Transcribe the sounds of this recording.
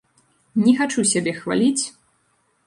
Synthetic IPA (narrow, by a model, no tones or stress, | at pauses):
nʲɛxat͡ʂusʲabʲɛxva̰lʲit͡sʲ